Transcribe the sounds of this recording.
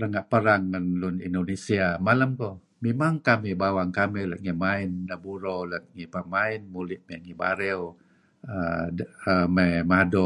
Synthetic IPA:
ɾəŋaʔpəɾaŋːanlunḭndonesiamaləmkɔ | mimaŋkamibawaŋkamilət̪̚ŋimaɪnːabuɾolət̪̚ŋipamaɪnmulɪʔmɛŋiba̰ɾɛw | ədəmɛmado

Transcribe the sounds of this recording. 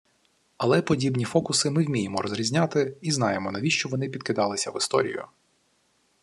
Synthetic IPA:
ɐlˠɛpɔdʲibnʲifɔkʊsɪmɪwmʲijemɔɾɔzɾʲizʲnʲat̪ɪiznɑjemɔnɐʋʲiʃt͡ʃɔʋɔnɪpʲid̪kɪd̪ɑlˠɪsʲɐʋɪst̪ɔ̰ɾʲḭjʊ̰

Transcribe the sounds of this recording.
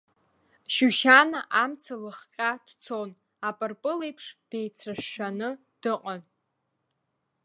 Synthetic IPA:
ʃuʃanaʔamt͡sʰalɨχqʲʼad̥t͡sʰon | apʼɨrpʼɨlejpʰʂd̥ejt͡sʰrɨʃːᶣanɨ | d̥ɨqʼan

